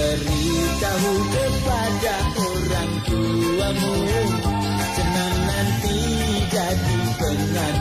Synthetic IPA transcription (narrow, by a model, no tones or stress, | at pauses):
əɾi | t̪aɦukəpa | daʔo | ɾaŋk̪u | ləmu | t͡ʃənaŋnant̪i | d͡ʒadit̪əŋan